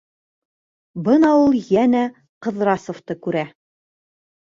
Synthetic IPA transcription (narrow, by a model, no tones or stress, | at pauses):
bɤnɑulˠjænæ | qɤ̆ðɾɑsŏft̪ɤkʉɾæ